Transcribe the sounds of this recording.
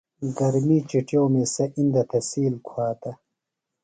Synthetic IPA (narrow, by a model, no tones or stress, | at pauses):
ɡɐɾmiːt͡ɕiʈjowmeːsɐʔind̪ɐt̪ʰɐsiːlkʰwaːt̪ɐ